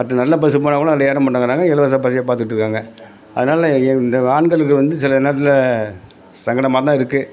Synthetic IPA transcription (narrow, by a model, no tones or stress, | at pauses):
pɐʈːɐnɐlːɐp̬ɐs̬ɯp̬oːnaːkːɯɭɐ̃nɐlːɐeːɾɐmpɐʈːaːŋɡɐɾaːŋɡɐɛlɐʋɐs̬ap̬ɐs̬ɪjapaːɾt̪̬ɯkɪʈːɾɯkːaːŋɡɐ | ɐðɯnaːlɐɛɪnd̪ɐaːɳɡɐɭɯk̬ːɯʋɐnd̪ɯsɪlɐnːɐt̪ːɪlɐ | sɐŋɡɐɽɐmaːt̪ãːɪɾɯkːɯ